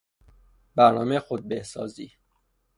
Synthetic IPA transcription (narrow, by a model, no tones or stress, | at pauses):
bæɾnɒːmexod̪̚behsɒːziː